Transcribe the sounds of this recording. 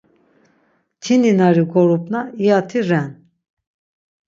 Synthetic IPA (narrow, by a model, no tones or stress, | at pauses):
t͡ʃ̪ʰininaɾiɡɔɾupnaijat̪ʰiɾɛn